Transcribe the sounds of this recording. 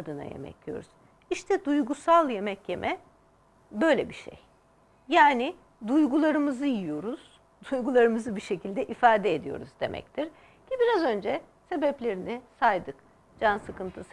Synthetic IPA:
ad̪ɯna̰jḛmɛ̰clʲijo̞̰ɾuz̥ | iʃt̪ʰɛd̪ujɡusalˠje̞mɛcje̞mʔɛ | bø̞jlʲɛbiʃḛj | jaːnɪ | d̪ujɡulˠaɾɯmɯzɯjijo̞ɾuz̥ | d̪ujɡulˠaɾɯmɯzɯbiʃe̞cʰilʲd̪ɛʔifaːd̪ɛed̪ijo̰ɾṵzd̪e̞̰mʔɛ̰c̚t̪ʰiɾ | cʰibiɾazø̞nd͡ʒɛse̞bɛplʲe̞ɾinisajd̪ɯk | d͡ʒansɯkɯnt̪ʰɯs

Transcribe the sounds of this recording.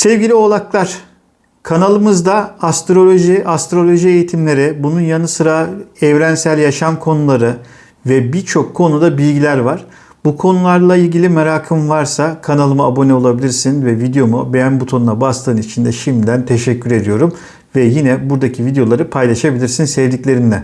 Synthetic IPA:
sɛvɟilʲio̞lˠaklˠaɾ̥ | kʰanalˠɯmɯzd̪aast̪ɾo̞lʲo̞ʒiast̪ɾo̞lʲo̞ʒiejit̪ʰimlʲe̞ɾibununjanɯsɯɾaɛvɾænsælʲjaʃamkʰo̞nulˠaɾɯ | vɛbiɾt͡ʃʰo̞kʰːo̞nud̪abilʲɟilʲæɾvaɾ̥ | bukʰo̞nulˠaɾlˠailʲɟilʲimaɾaːkʰɯmvaɾsakʰanalˠɯmaabo̞nɛo̞lˠabilʲiɾsinvɛvid̪ejo̞mubejænbut̪ʰo̞nunabast̪ʰɯːnit͡ʃʰind̪ɛʃimd̪id̪ænt̪ʰeʃɛcʰːyɾe̞d̪ijo̞ɾum | vɛjinɛbuɾd̪acʰivid̪ejo̞lˠaɾɯpʰajlˠaʃabilʲiɾsinsɛvd̪icʲlʲe̞ɾind̪ɛ

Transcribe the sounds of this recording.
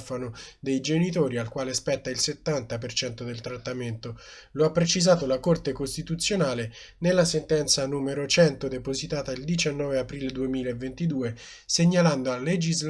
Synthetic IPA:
fanod̪ejd͡ʒenit̪oːɾialkwaːlespɛt̪ːailset̪ːant̪apert͡ʃɛnt̪od̪elt̪ɾat̪ːament̪o | loapːɾet͡ʃizaːt̪olakort̪ekost̪it̪ut̪sːjonaːle | nelːasent̪ɛnt̪sanuːmeɾot͡ʃɛnt̪od̪epozit̪aːt̪aild̪it͡ʃanːɔːveapɾiːled̪uemiːlaevːent̪id̪uːe | seɲːaland̪oaled͡ʒizl

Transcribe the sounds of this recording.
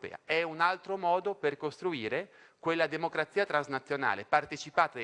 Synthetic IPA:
pɛ̰ːa̰ɛunalt̪ɾomɔːd̪operkost̪ɾuiːɾe | kwelːad̪emokɾat̪sːiːat̪ɾanznat̪sːjona̰ːlepart̪et͡ʃipaːt̪a

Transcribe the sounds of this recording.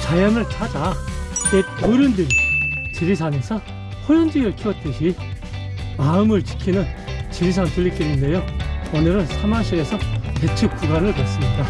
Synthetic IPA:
t͡ɕajʌnɯɭt͡ɕʰad͡ʑa | eoɾjɯndɯɾit͡ɕibisʰane̞sʰʌ | hojʌnd͡ʑiɡɯɭkʰiʌt̚t͈ɯɕʰi | maɯmɯɭt͡ɕi̥kʰinɯnt͡ɕibis̬ʰaŋtɯʎːik͈inɯnde̞joʌnɯɾɯnsʰamaŋɕʰie̞sʰʌpe̞t͡ɕʰɯk͈uɡanɯɭbwes͈ɯmɲida

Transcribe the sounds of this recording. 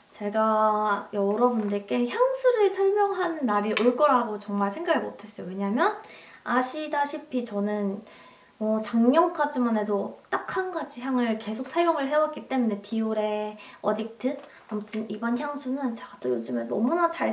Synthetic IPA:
t͡ɕe̞ɡajʌɾʌbundek͈e̞çjaŋsʰuɾɯɭsʰʌɭmjʌŋɦanːaɾiʔɯɭk͈ʌɾaɡot͡ɕʌŋmaɭsʰe̞ŋɡaɡimotʰe̞s͈ʌjowe̞ɲamjʌn | aɕʰidaɕʰipʰit͡ɕʌnɯn | ʌt͡ɕaŋɲʌŋk͈ad͡ʑimane̞dot͈akʰhanɡad͡ʑiçjaŋɯɭke̞sʰok̚sʰajoŋɯɭɦe̞wat̚k͈it͈e̞mune̞tiuɾe̞ʌdik̚tʰɯ | amutʰɯnibʌnçjaŋsʰunɯnt͡ɕeɡat͈ojod͡ʑɯmenʌmunat͡ɕaɭ

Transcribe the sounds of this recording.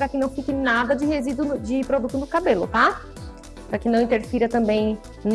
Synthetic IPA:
pɾɐkɪnɐ̃w̃fikɪnad̪ɐd͡ʒɪhezid̪ʊd͡ʒɪpɾod̪ut̪ʊnʊkabelʊ̰t̪a | pɾakɪnɐ̃w̃ĩt̪eɾfiɾɐt̪ɐ̃mbẽj̃ | n

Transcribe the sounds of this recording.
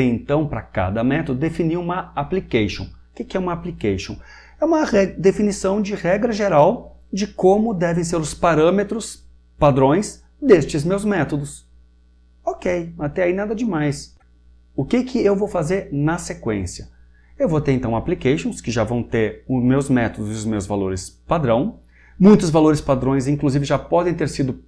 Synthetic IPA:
eẽnt̪ɐ̃w̃pɾɐ̰ka̰d̪ɐmɛt̪od̪ʊd̪efiniũmɐaplikejʃõ̰w̃ʊkɪkɪɛũmɐaplikejʃõ̰w̃ | ɛũmɐɛd̪efinisɐ̃w̃d͡ʒɪʁɛɡɾɐʒeɾawd͡ʒɪkõmʊd̪ɛvẽj̃s̬eɾʊspaɾɐ̃met̪ɾʊs | pad̪ɾõj̃s | d̪est͡ʃɪzmewzmɛt̪od̪ʊs | okejat̪ɛainad̪ɐd͡ʒɪmajs | ʊkɪkʰɪewvowfazeɾnɐsekwḛ̃siɐ | ewvot̪eɾẽnt̪ɐ̃w̃aplikeʃõw̃skɪʒavɐ̃w̃t̪eɾʊmewzmɛt̪od̪ʊzɪʊzmewzvalo̰ɾɪspad̪ɾɐ̃w̃ | mũj̃t̪ʊzvaloɾɪspad̪ɾõj̃zĩŋkluzivɪʒapɔd̪ẽj̃t̪eɾsid̪ʊ

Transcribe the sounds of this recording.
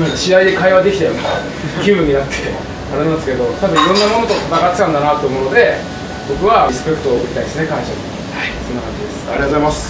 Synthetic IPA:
nãkɕiaid̪e̞kaiβad̪e̞kʲit̪ajona | kʲɨːbɯ̟ɲ̟ːinat̪ʰːe̥ | a̰ɾensɨ̥ked̪o̞t̪abɯ̟̃iɾõ̞nːamo̞no̞t̪o̞t̪ʰat̪aɡat̪ːɨ̥k̪ãnd̪anat̪ːoɯ̟mo̞no̞d̪e̞ | bo̞kɯ̟βaisɨ̥pe̞kːɯ̟t̪oːkɯ̟ɾʲit̪aid̪esnekãɰ̃ɕai | haisonːakã̰ɲ̟d͡ʑid̪e̞sɨ̥a̰ɾʲiat̪ozaimasɨ̥

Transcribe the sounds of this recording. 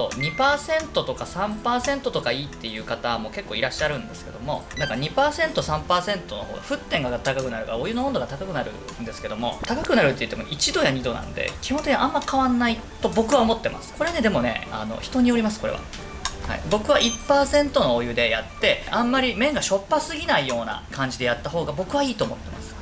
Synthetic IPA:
o̰ɲ̟ipaːsẽ̞nt̪o̞t̪o̞kasãmpaːsẽ̞nt̪o̞t̪okaiːt̪ːe̞jɯ̟ːkat̪amo̞ke̞kːo̞ːiɾaɕːaɾɯ̟̃nd̪e̞sɨ̥ke̞d̪o̞mo̞̰nãŋkaɲ̟ipaːsẽ̞nt̪o̞sãmpaːsẽ̞nt̪o̞no̞̰hoːɡa̰ɸɯ̟t̪ːẽŋɡat̪akakɯ̟naɾɯ̟kaɾoːjɯ̟noõnd̪oɡat̪akakɯ̟naɾɯ̟̰ | nd̪e̞sɨ̥ke̞d̪o̞mo̞̰t̪akakɯ̟naɾɯ̟t̪ːejɯ̟t̪ːemoʔit͡ɕid̪o̞jaɲ̟id̪o̞nã̰no̰d̪ḛkʲi̥hont̪ekʲiiʔãmːaɾikaβãnːai | t̪o̞bo̞kɯ̟βaomo̞t̪ːe̞ma̰sɨ̥ko̞ɾe̞ne̞d̪e̞mo̞ne̞̰a̰no̞̰çi̥t̪o̞ɲ̟io̞ɾʲimasɨ̥ko̞ɾe̞̰βa̰ | ha̰ḭbo̞kɯ̟βaʔipːaːsẽ̞nt̪o̞no̞ojɯ̟d̪e̞jat̪ːe̞ãmːaɾʲimẽ̞ŋɡaɕo̞pːasɨɡʲinaijo̞ːna̰kʰãɲ̟d͡ʑid̪e̞jat̪ːaɦo̞ːɡabo̞kɯ̟βaiːt̪o̞ːmo̞̰t̪ːe̞mʔa̰sɨ̥

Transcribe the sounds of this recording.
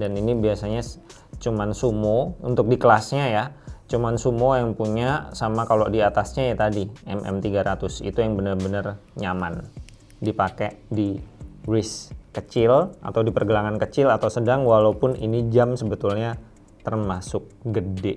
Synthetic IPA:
daninibiasaɲa | t͡ʃumansumoṵnt̪ʊk̚dikəlasɲajat͡ʃumansumojaŋpuɲasamakalodiat̪asɲajat̪adiɛmʔɛ̰mt̪iɡaɾat̪ʊsḭt̪ujaŋbənərbənərɲaman | dipakɛʔdiɾɪskət͡ʃɪlʔa̰t̪awdipərɡəlaŋankət͡ʃɪlat̪awsədaŋwalaupʊnḭnid͡ʒamsəbət̪ʊlɲa | t̪ərmasʊk̚ɡədɛʔ

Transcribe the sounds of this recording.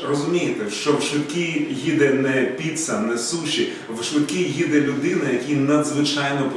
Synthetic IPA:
rɔzʊmʲijɪt̪ɛʃt͡ʃɔwʃʋɪkʲiɦʲid̪ɛnɛpʲit̪sɐnɛsuʃʲi | ʋʃʋɪkʲɪɦʲid̪ɛlʲʊd̪ɪnɐjɐkʲinɐd̪zʋɪt͡ʃɑjnɔp

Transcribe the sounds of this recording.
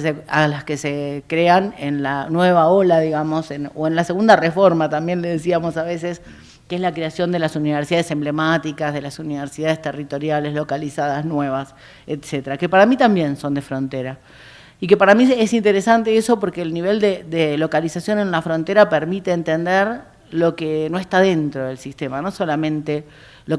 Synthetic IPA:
sealaskesekɾeanenlanwe̞β̞ao̞laðiɣamo̞senoenlase̞ɣund̪arefo̞ɾmat̪ambje̞nleðes̬iamo̞saβe̞ses | keezlakɾeasjo̞nd̪e̞lasuniβ̞eɾsiðaðese̞mble̞mat̪ikazðe̞lasuniβeɾsiðaðest̪erit̪o̞ɾjale̞zlo̞kalisaðaznwe̞β̞as | et̪set̪eɾake̞paɾamit̪ambje̞nso̞nd̪e̞fɾo̞nt̪eɾa | ike̞paɾamiesint̪e̞ɾesant̪eeso̞po̞ɾkeːlniβe̞ld̪ed̪elo̞kalisasjo̞ne̞nlafɾo̞nt̪eɾapeɾmit̪eːnt̪end̪eɾ | lo̞keno̞est̪aðe̞nt̪ɾo̞ðe̞lsist̪e̞mano̞so̞lamẽ̞nt̪e̞ | lo̞

